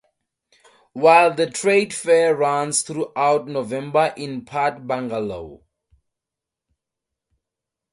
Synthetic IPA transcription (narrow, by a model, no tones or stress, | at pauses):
wajldətʰɹedfɛɹãnsθɹuʔawtnovɛ̃mbaʔĩnpʰatbãŋɡalo̰